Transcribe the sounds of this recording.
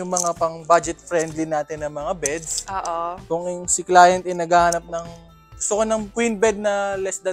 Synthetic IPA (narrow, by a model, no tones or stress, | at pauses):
ʊŋmɐŋapɐŋbad͡ʒɛt̪̚fɾɛnd̪linaːt̪ɪnːɐŋmɐŋabɛd̪sʔoːʔokʊŋŋsɪklaːjɐnt̪ɛnɐɡaːhanɐp̚nɐŋ | ɡʊst̪okonɐŋkwinbɛd̪̚nɐlɛsd̪ɐ